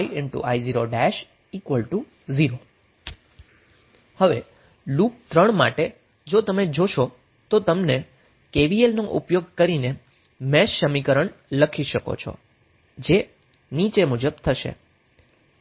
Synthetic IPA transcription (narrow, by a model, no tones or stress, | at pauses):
iʔɪɳʈṵʔajziɾoɖɛʃ | ikʋəlʈu | ziɾo | həʋḛ | lup̚t̪ɾəɳma̰ʈe | d͡ʒot̪əmed͡ʒoʃo | t̪ot̪əmne | keʋielnoʔṵpjoɡkəɾine | mɛʃːəmikəɾəɳləkʰiʃəko̰t͡ʃʰɔ̰ | d͡ʒe | nit͡ʃemud͡ʒəbt̪ʰəʃḛ